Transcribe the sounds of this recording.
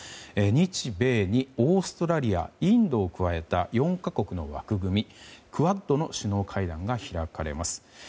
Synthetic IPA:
eɲ̟it͡ɕibe̞ːɲ̟io̞ːsɨ̥t̪o̞ɾaɾʲia̰ĩnd̪o̞ːkɯ̟βae̞t̪ajõ̞ŋkako̞kɯ̟no̞βa̰kɯ̟ɡɯ̟mʲikɯ̟βad̪ːo̞no̞ɕɨno̞ːkʰaid̪ãŋɡaçiɾakaɾe̞̰masɨ̥

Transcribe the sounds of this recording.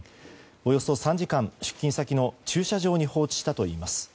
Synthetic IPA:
o̞jo̞so̞sãɲ̟d͡ʑikãɰ̃ɕɨ̥kʲːĩsakʲino̞t͡ɕɨːɕaʑo̞ːɲ̟iho̞ːt͡ɕi̥ɕi̥t̪at̪o̞ḭːmasɨ̥

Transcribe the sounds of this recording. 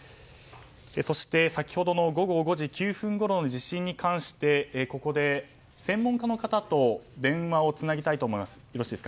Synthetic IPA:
eso̞ɕi̥t̪e̞sakʲi̥ho̞d̪o̞no̞ɡo̞ɡo̞ɡo̞ʑikʲɨːɸɯ̟̃ŋɡo̞ɾo̞noʑiɕĩɲ̟ːikãɰ̃ɕi̥t̪e̞ko̞ko̞d̪e̞ | sẽ̞mːõŋkano̞kat̪at̪o̞d̪ẽ̞ɰ̃βao̞t͡sɨnaɡʲit̪ait̪o̞ːmo̞imasɨ̥joɾo̞ɕiːd̪esɨka

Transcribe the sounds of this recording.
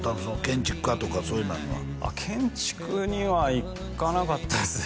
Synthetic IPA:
t̪abɯ̃sonokẽ̞ɲ̟t͡ɕi̥kɯ̥kat̪okasoːjɯnaɲoβa̰ | a̰kʰẽ̞ɲt͡ɕi̥kɯɲiβaik | kːanakat̪ːasɨ

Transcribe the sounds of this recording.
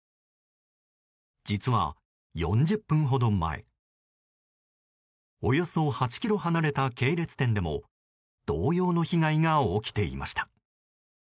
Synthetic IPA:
d͡ʑit͡sɨβa̰ | jõ̞̰ɲ̟d͡ʑɨpːɯ̟̃ɰ̃ɦo̞d̪o̞ma̰ḛ | o̞jo̞so̞hat͡ɕi̥kʲiɾo̞ɦanaɾe̞t̪ake̞ːɾe̞t͡sɨ̥t̪ẽ̞nd̪e̞mo̞̰ | d̪̥o̞ːjo̞ːno̞çiɡaiŋaokʲi̥t̪e̞ḭma̰ɕi̥t̪ḁ

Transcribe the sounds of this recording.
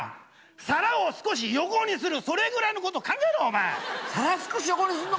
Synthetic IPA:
saɾao̞sɨ̥ko̞ɕ̬ijo̞ko̞ɲ̟isɨɾɯ̟so̞ɾe̞ɡɯ̟ɾaino̞ko̞t̪o̞kãŋɡaeɾɯɦomaːsaɾaosɨ̥koɕ̬ijokoɲ̟isɨɯno

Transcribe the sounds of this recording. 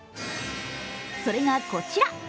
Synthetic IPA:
soɾe̞ŋakot͡ɕiɾa

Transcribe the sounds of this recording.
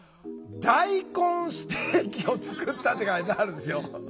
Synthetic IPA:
d̪̥aikõɰ̃sɨ̥t̪eːkʲio̞t͡sɨ̥kɯt̪ːat̪ːekaid̪aaɾɯesɨjo

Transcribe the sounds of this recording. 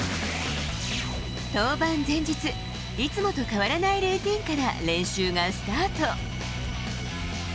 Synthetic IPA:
t̪o̞ːbãnd͡zẽ̞ɲ̟d͡ʑit͡sɨ | it͡sɨmo̞t̪o̞kaβaɾanaiɾɯ̟ːt̪ʲĩŋkaɾa̰ɾẽ̞ɰ̃ɕɨːɡasɨ̥t̪aːt̪o̞

